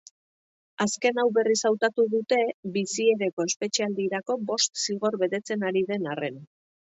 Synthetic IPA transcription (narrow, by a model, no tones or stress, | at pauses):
aske̞nawβe̞risawt̪at̪uðut̪e̞bisie̞ɾe̞ko̞e̞spe̞t͡ʃiald̪iɾako̞bo̞st̪siɣ̞o̞ɾβe̞t̪e̞t͡se̞naɾiðe̞nare̞n